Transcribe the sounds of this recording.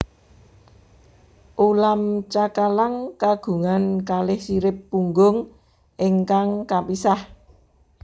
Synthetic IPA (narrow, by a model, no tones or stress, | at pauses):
ʔulamt͡ʃakalaŋkaɡ̥ṳŋankalɪhsiɾɪpːuŋɡʊŋ | ʔeŋkaŋkapisah